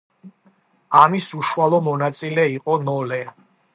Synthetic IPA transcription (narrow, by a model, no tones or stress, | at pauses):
amisuʃualˠɔmɔnat̪sʼilɛiqʼɔnɔlɛ